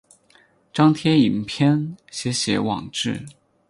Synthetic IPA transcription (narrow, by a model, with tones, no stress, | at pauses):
ʈ͡ʂɑ˥ŋt̪ʰjɛ˥i˨˩npʰjɛ˥nɕjɛ˧˥ɕjɛ̰˧˥wɑ̰˨˩ŋʈ͡ʂɻ̩˥˩